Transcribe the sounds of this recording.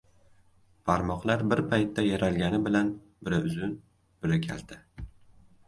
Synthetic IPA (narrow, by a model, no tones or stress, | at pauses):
pʰaɾmɒqlˠaɾbɪɾpʰajt̪ʰːajaɾalɡʲanɪbɪlan | bɪɾaʊzʊn | b̥ɪɾakʲʰa̰ld̪̥ɪ